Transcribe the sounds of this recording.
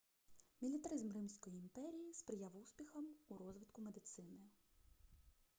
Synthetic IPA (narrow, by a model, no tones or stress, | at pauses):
mʲilʲit̪ɐɾɪzmrɪmʲsʲkɔjiːmpɛɾʲijispɾɪjawuspʲixɐmuɾɔzʋɪt̪kʊmed̪ɪt̪sɪnɪ